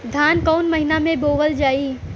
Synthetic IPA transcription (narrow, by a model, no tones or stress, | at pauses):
d̪ʱaːnkɔːnmɐɦɪnamẽboːʋəld͡ʒaːiː